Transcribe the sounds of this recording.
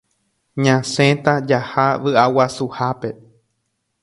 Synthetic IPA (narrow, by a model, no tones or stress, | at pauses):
ɲãsẽt̪ad͡ʒahaʋɨawasuhape